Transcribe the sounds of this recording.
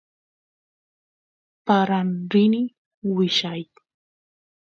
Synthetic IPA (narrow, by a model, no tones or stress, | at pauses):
paɾanɾɪnɪ | wɪʃaj